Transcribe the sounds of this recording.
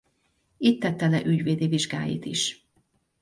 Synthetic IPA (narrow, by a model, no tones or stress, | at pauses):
it̪ːɛt̪ːɛlɛʔyɟʋeːd̪eːviʒɡa̰ːjḭːt̪ḭʃ